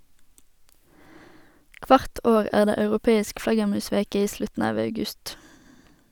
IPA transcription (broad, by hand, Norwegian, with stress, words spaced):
ˈkʋɑʁt ˈoːʁ ˈæːʁ ˈdeː ɑʉʁʊˈpeːɪsk ˈflɑɡəʁˌmʉːˌsʋeːkə ˈiː ˈslʉtn̩ ˈɑːʋ ɑʉˈɡʉst